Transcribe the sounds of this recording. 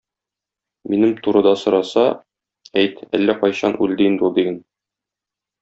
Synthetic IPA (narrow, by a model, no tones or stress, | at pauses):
minɘmt̪uɾɤ̆d̪ɑsŏɾɑsɑ | æjt̪æ̰lːæqɒjɕɑnʔʉld̪ɘnd̪ulˠd̪iɡɘn